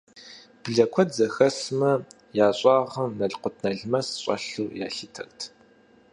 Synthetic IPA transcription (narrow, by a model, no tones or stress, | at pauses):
b̥ɨɮɐkʷʰɔdzɐxɐsmɐ | jaːɕʼɑːʁɐmnɐɮqʷʊtʰnɐɮmɐsɕʼɐ̰ɬuːja̰ːɬitʰɐ̰ɣtʰ